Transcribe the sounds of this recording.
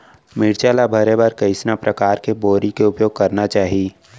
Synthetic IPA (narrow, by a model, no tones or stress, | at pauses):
mɪɽt͡ʃaːlabʱəɾebəɾkɐɪsnapɾʔɐkaːɾkeboːɾikeʊpjoːɡ̚kɐɾnat͡ʃaːɦi